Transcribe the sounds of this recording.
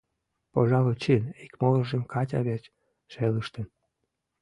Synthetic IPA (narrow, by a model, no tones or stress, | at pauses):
poʒɑlot͡ɕinikmolə̆ʒemkɑtʲɑ̰βet͡ɕ | ʃeləʃt̪ə̆n